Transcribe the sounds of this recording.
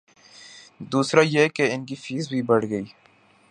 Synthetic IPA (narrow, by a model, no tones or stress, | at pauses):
d̪uːsɾajekeɪnk̬ifiːzbʱibɐɽɡɐiː